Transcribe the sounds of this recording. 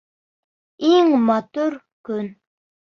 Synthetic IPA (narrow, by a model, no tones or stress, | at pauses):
eŋmɑt̪uɾ | kʲyn